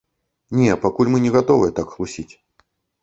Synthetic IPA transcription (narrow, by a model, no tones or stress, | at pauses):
nʲɛpakulʲmɨnʲɛɣat̪ɔvɨjət̪akxlˠusʲit͡sʲ